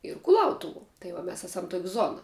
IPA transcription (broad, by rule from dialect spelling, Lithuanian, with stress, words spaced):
ɪr kʊˈlˠɐʊtʊʋuɔ tɐɪ ˈʋɐ ˈmʲɛs ˈæːsɐm toːkʲ ˈzoːnɐ